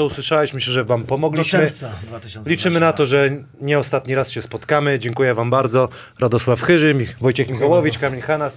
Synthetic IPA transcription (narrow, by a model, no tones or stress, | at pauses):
ɔuswɘʂawɛɕmɘɕɛʐɛvampɔmɔɡlʲiɕmɘ | lʲit͡ʂɘmɘnat̪ɔʐɛ | ɲɛɔst̪at̪ɲiɾasɕɛspɔt̪kamɘd͡ʑɛŋkujɛvambaɾd̪zɔ | ɾad̪ɔswafxɘʐɘmʲvɔjt͡ɕɛxmʲixɔwɔvʲit͡ʃkamʲiɲxanas